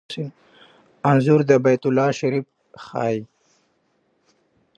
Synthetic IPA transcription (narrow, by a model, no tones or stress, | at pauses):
sɪn | anzʊɾd̪əbajt̪ʊlːɑʃaɾif | xɑ̰ːj